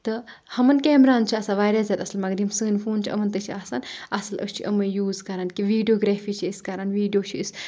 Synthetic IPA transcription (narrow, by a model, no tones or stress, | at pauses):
t̪ɨ | hɐmɐnkeːmɾaːnt͡ʃʰiasãːʋaːɾaːzʲat̪ɐslmɐɡd̪imsɨ̃ːnfuːnt͡ʃʰiʔɐ̰mɐnt̪ɨt͡ʃʰiaːsaːnʔɐsɐlʔɐ̰st͡ʃʰiʔɐmɐjuːzkɐɾankiʋiːɖioːɡɾeːfiːt͡ʃʰiiskɐɾanʋiːɖjoːt͡ʃʰiis